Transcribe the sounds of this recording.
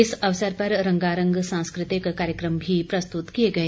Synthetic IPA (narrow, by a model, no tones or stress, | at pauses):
isɐʋsəɾpɐɾɾəŋɡaɾəŋɡsãñskɾɪt̪ikːaɾjəkɾəmbʱiːpɾɐst̪ut̪kijeɡəe